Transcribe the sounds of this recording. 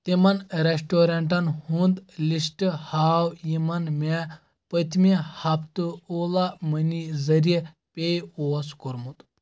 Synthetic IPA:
t̪imɐnɾesʈoɾeɳʈɐnhund̪lisʈɨhaːwjimɐnme | pət̪ʰmihɐpʰt̪uoːlamɐnizɐɾie | pʲejoːskoɾmut̪

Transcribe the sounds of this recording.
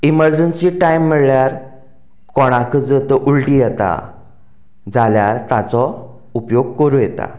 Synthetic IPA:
iməɾd͡ʑənsiʈaimːəɽɭjaɾ | kɔɽ̃ãkʰəd͡zət̪əʔulʈijɛt̪a̰ | d͡zaljaɾt̪at͡sɔ | upjoɡ̚kəɾũjɛt̪a̰

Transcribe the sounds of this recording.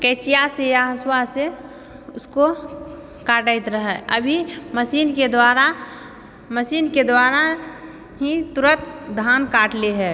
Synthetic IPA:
kɛːt͡ʃijasejaɦəswase | ʊsko | kaːʈaɪt̪ɾəɦɛəbʱiməsiːnked̪waːɾa | məsiːnked̪waːɾa | ɦit̪ʊɾət̪d̪ʱaːnkaːʈleɦɛː

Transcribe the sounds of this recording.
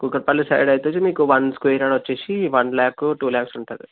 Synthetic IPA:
kukɐɾpaːlisɐ̰jɖɐjt̪uːt͡ʃimiːkuʋɐnskejɾaːɽʋɐt͡ʃːeːsiʋɐnlaːkuʈuːlaːksuɳʈɐːd̪i

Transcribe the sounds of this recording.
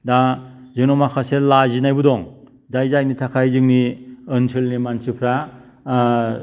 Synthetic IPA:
dazɯŋnɔmakʰaselazinajbudɔŋ | zajzajnitʰakʰajzɯŋniɯnsʰɯlnimansɯpʰɾa

